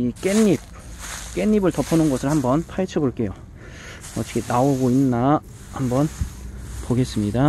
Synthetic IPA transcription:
ik͈e̞nːip̚ | k͈e̞ɲːibɯɭtʌpʰʌnɯnɡʌsʰɯɭhambʌnpʰait͡ɕʰʌboɭk͈e̞jo | ʌt͡ɕʰʌ̥kʰenaoɡoinːa | hambʌn | poɡe̞s͈ɯmɲida

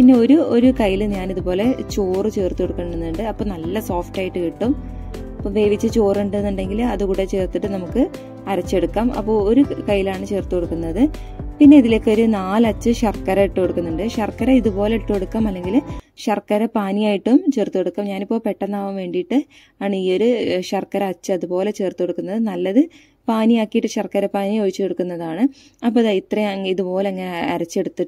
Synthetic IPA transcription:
pinːe̞o̞ɾuoɾukɐjːiluɲaːniðupo̞ːle̞t͡ɕoːrɨt͡ɕe̞ːrt̪ːukoɽukːɐɳɖenːuɳɖɨɐpːo̞ːnɐlːɐso̞ːfʈaːjiʈːɨkiʈːum | pːoʋe̞ːʋit͡ɕːɨt͡ɕoːreɳɖenːuɳɖe̞ŋɡilɐðukuːɽe̞t͡ɕe̞ːrt̪ːiʈːɨnɐmukːɨ | ɐɾɐt͡ɕːe̞ɽukːaːmɐ̰pːo̞ːo̞ɾukɐjːilaːɳɨt͡ɕe̞ːrt̪ːukoɽukːunːɐðɨ | pinːe̞iðile̞ːkːeo̞ɾunaːlɐt͡ɕːɨɕɐrkːɐɾɐiʈːukoɽukːunːuɳɖɨɕɐrkːɐɾɐiðupo̞ːle̞ʈːueɽukːaːmɐlːe̞ŋɡilɕɐrkːɐɾɐpaːnijaːjiʈːumt͡ɕe̞ːrt̪ːukeɽukːaːmɲaːnipːo̞ːpe̞ʈːɐnːaːʋɐmʋe̞ːɳɖijʈːɨ | aːɳɨiːo̞ɾuɕɐrkːɐɾɐɐt͡ɕːɨɐðupo̞ːle̞t͡ɕe̞ːrt̪ukoɽukːunːɐðɨnɐlːɐðɨ | paːnijaːkːijiʈːɨɕɐrkːɐɾɐpaːniojit͡ɕːukoɽukːunːɐðaːɳɨɐpːoːiðɐit̪rɐjŋiðupo̞ːle̞ɐŋːɐneɐɾɐt͡ɕːe̞ɽut̪ːi

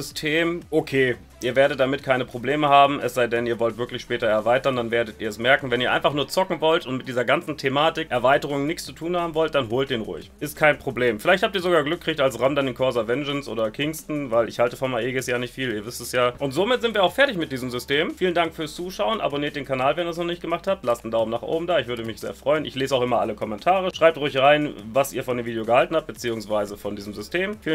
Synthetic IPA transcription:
ʏstʰeːmʔokʰeː | ʔiːɐveːɐɾət̚d̥amɪt̚kʰaɪnəpʁ̥obleːməhaːbm̩ʔɛsz̥aɪdɛniːɐvɔltvɪɐklɪçʃpɛːtɐɛɐvaɪtɐndanveːɐdətiːɐɛsmɛɐkŋ̩vɛniɐa̰ɪnfaχnuːɐt͡sɔkŋ̩vɔltʊntmɪtd̥iːzɐɡant͡sn̩tʰemaːtɪkʔɛɐvaɪtəʁ̞ʊŋənɪçt͡st͡su̥tʰuːnhaːbm̩vɔlt̚d̥anɦoːlt̚d̥eːnʁʊ̰ɪçʔɪstkʰaɪnpʁ̥obleːmfɪlaɪçt̚hap̚tiːɐzoɡaːɡlʏk̚ʰːʁ̥ɪçtalsʁamdanɪnkʰɔɐzavɛnd͡ʒənsʔo̰ːdɐkʰɪŋstn̩vaɪlɪçhaltə̥fɔmaʔeːɡɪsjaːnɪçtfiːliːɐvɪstɛsjaːʔʊntz̥oːmɪtz̥ɪntv̥iːɐaʊxfɛɐtɪçmɪt̚d̥iːzəmzʏsteːmfiːləndaŋkfyɐst͡suːʃaʊənʔa̰boniːɐt̚d̥eːnkʰanaːlvɛnɐdɐsnɔχnɪçt̚ɡəmaχthap̚tlastndaʊbmnaːχʔo̰ːbm̩daːɪçvʏɐɾəmɪçz̥ḛːɐfʁ̥ɔʏənʔɪ̰çleːzaʊxʔɪmɐʔa̰ləkʰɔmɛntʰaːʁəʃʁ̥aɪptʁʊɪçʁaɪnvasʔiːɐfɔndeːmviːdejoɡəhaltn̩hap̚t̚b̥ət͡siːʊŋsv̥aɪzəfɔndiːzəmzʏstʰeːmfiː

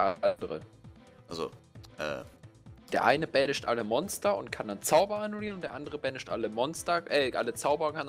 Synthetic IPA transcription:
ʔadəʁə̰ | ʔazo̰ʔɛ̰ːd̥eːɐʔa̰ɪnəbɛnəʃtʔaləmɔnstɐʊ̰ntkʰandant͡saʊbɐanuliːʁənʊntd̥eːɐʔandəʁəbɛnɪʃtʔa̰ləmɔnstɐʔɛʔa̰lət͡saʊbəʁɐkʰan

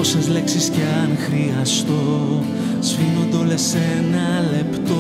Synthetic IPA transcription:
osɐzle̞ksisceɐnxɾiɐst̪o̞ | sfinond̪olese | nɐ | le̞pt̪o

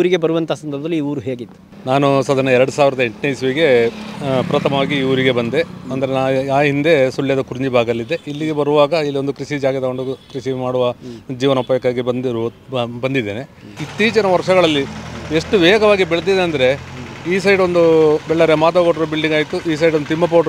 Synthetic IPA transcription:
ɾiɡe̞bɐɾuʋɐnt̪ɐaːsɐnd̪ɐɾbɐd̪ɐlːiːuːɾuɦeːɡit̪ːu̥ | naːnusɐd̪ɐnɐɛɾɐɽusaːʋiɾɐd̪ɐeɳʈinɐjisʋiːɡe̞ | pɾɐt̪ʰɐmɐʋaːɡiuːɾiɡe̞bɐnd̪e̞ɐnd̪ɐɾenaːaːɦind̪e̞suɭjɐd̪ɐkuɾɲd͡ʒibʱaːɡɐɐlːid̪eʔilːiɡe̞bɐɾuʋaːɡɐilːio̞nd̪ukɾiʃid͡ʒaːɡjt̪ɐɡoɳɖukɾiʃimaːɽuʋɐd͡ʒiːʋɐnɐupɐjɐkaːɡibɐnd̪ | bɐnd̪id̪ːeːne̞it̪ːiːt͡ʃɐnɐʋɐɾʂɐɡɐɭɐlːieʂʈuʋɛːɡɐʋaːɡibɛɭd̪id̪eɐnd̪ɐɾe̞ | iːsɐjɖond̪ubɛɭːɐɾemaːt̪ɐkoʈːɾobiɭɖiŋɡaːjit̪uʔiːs̬ɐjɖond̪ut̪imːɐp̬oːʈ

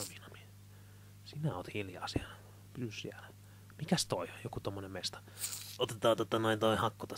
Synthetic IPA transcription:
oʋinɑmi̥ | sinæoːt̪hiljɑ̰ːsi | pysysḭælæ | mikæst̪oijokut̪omːonemest̪ɑ̥ | ot̪et̪ɑːt̪ot̪ːɑnoint̪oihɑkːut̪ɑ

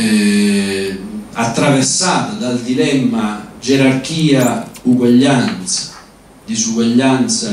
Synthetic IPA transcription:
ɛ | at̪ːɾavɛɾsaːt̪ad̪ald̪ilɛmːad͡ʒɛɾark̟iːauɡwaʎːant̪sḁ | d̪isuɡwaʎːant̪sa

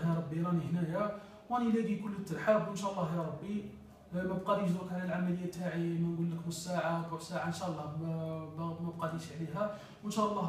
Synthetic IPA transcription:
jɑɾˤɑbːiɾɑnihnæjæ | wænilæɡ̪ikʊlːət̪ːəɾħabənʃæʔlˤːɑhjɑɾˤɑbːi | mæb̚qɑd̪iʃd̪ukʕlælʕamæləjːæt̪ːaʕimænɡulːəkbəsːaʕakusaʕanʃæʔlˤːɑbæmæb̚qɑd̪iʃʕliɦæ | wənʃæʔəlˤːɑ

